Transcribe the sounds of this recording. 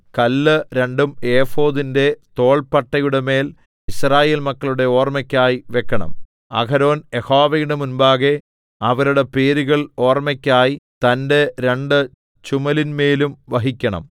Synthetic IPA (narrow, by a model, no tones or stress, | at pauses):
kɐlːɨɾe̞ɳɖumeːfo̞ːðindet̪o̞ːɭpɐʈːɐjuɽeme̞ːl | iɕraːje̞ːlmɐkːɐɭuɽe̞o̞ːrmɐkʲːaːjiʋekːɐɳɐ̰m | ɐ̰kɐɾo̞ːne̞hoːʋɐjiɽemunbaːɣe | ɐʋɐɾuɽe̞pe̞ːɾuɣɐɭo̞ːrmɐkʲːaːjit̪ɐnde̞ɾe̞ɳɖɨ | t͡ɕumɐlinme̞ːlumʋɐɦikʲːɐɳɐ̰m